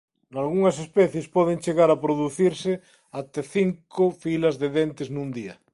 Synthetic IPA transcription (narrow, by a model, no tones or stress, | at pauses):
nalɣuŋas̬espɛθjespɔð̞ent͡ʃeɣaɾapɾoðuθiɾse | at̪eθiŋkofilazðeðent̪eznũnd̪ia̰